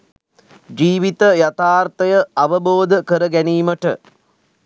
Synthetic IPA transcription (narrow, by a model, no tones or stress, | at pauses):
d͡ʒiːʋit̪əjat̪aːrt̪əjəaʋəboːd̪əkəɾəɡæniːməʈə